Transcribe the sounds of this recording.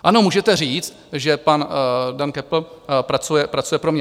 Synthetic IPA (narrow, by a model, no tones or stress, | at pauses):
ʔano̞muːʒɛt̪ɛr̝iːt͡st̪ʒɛpandankɛpl̩pɾat͡sujɛpɾat͡sujɛpɾomɲɛ